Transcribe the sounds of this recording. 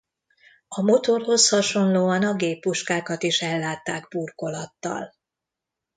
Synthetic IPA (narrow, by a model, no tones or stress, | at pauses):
ɒmo̞t̪o̞rho̞shɒʃo̞nloːɒnɒɡeːpːuʃkaːkɒt̪iʃɛlːaːt̪ːaːɡburko̞lɒt̪ːɒ̰l